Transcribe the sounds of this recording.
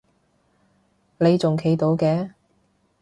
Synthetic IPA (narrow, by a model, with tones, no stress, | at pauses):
le˨˧jt͡sʊ˨ŋkʰe˨˥jt̪o˨˧˥wkɛː˨˧